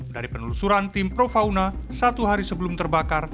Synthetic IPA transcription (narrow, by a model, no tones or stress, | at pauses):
daɾipənulusuɾant̪ɪmpɾofaunasat̪uɦaɾisəbəlumt̪ərbakar